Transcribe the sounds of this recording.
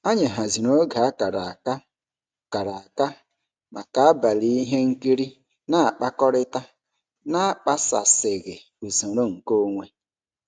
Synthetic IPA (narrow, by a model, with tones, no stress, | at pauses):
a˦ɲe˨ɦa˨zi˨no˦ɡa˨a˦ka˨ɾa˨a˨ka˦ | ka˨ɾa˨a˨ka˦ | ma˨ka˦a˦ba˨li˦i˦ɦe˦ŋ̩˦ki˦ɾi˦ | na˦a˨k͡pa˦kɔ˦ɾɪ˦ta˦ | na˦a˨k͡pa˦sa̰˨sɪ˨ɣɪ˨ | u˨zo˨ɾo˦ŋ̩˨ko˦ŋʷe˦